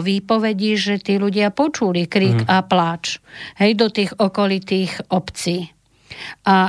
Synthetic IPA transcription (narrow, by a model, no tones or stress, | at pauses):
ʋipɔʋɛɟiʒɛt̪iːluɟɪapɔt͡ʃulikɾiːɡaplaːt͡ʃɦɛjd̪ɔt̪iːɣɔkɔlit̪iːxɔpt͡siː | ʔa